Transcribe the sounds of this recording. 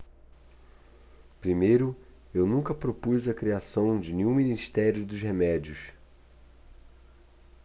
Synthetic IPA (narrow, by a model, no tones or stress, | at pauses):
pɾimejɾʊ | ewnũkɐpɾopujzɐkɾiasɐ̃w̃d͡ʒɪnẽɲũminiʃt̪ɛɾjʊd̪ʊzhemɛd͡ʒiʊs